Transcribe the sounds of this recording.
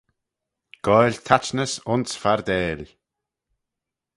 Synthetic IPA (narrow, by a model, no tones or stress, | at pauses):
ɡ̥ɔːlʲt̪ʰat͡ʃnəsʊnsfaɾd̪ɛːlʲ